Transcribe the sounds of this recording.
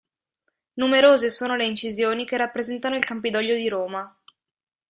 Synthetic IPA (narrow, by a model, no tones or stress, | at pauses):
numeɾoːzesoːnoleint͡ʃizjoːnikerːapːɾezɛnt̪anoilkampid̪ɔʎːod̪iɾoːma